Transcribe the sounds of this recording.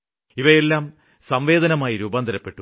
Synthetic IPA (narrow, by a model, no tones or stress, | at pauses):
iʋɐje̞lːaːm | sɐmʋe̞ːd̪ɐnɐmaːjiɾuːbɐand̪ʱɐɾɐpːe̞ʈːu